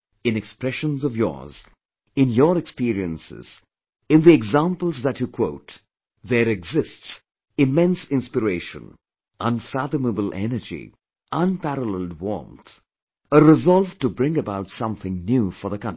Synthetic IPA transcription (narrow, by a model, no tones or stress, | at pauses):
ɨ̃nɛkspɹɛʃə̃nzʌvjɔ̰ɹz | ɪ̃njəɾɛkspiɾiə̃nsɪ̰z̥ | ɨ̃nðiɛɡzãmpəl̩ˠzðət͡ʃjukʰw̥oʊt | ðəɾɛɡzɪsts | ɨmɛ̃nsɪ̃nspɨɾeɪʃə̰̃n | ʔə̃nfæðəməbəl̩ˠʔɛ̰nə˞d͡ʒḭ | ʔə̃npæɾələlˠdwɔ̰̃ɹnθ | əɹɪzɑlˠvʈubɾɪ̃ŋɨbaʊtsʌ̃mθɪ̃ŋnjufə˞ðəkʰʌ̃ni